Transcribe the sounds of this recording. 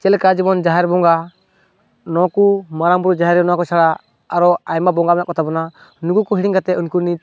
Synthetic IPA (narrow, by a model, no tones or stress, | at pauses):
t͡ʃɛlkad͡ʒɛmɔnd͡ʒaɦɛɾbɔŋɡa | nɔkumaɾaŋbɾud͡ʒaɦɛɾɛnɔwakɔt͡ʃaɽaː | ɾɔajmabɔŋɡamaʔkɔt̪ʰabɔna | nuɡukɔɦiɽiŋkat̪ɛunkuni